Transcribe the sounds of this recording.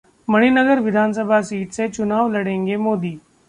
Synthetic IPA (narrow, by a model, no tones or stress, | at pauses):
mɐɽ̤̃inəɡəɾʋɪd̪ʱaːns̬əbʱasiːʈset͡ʃʊnaːʋlɐɽẽːŋɡemoːd̪iː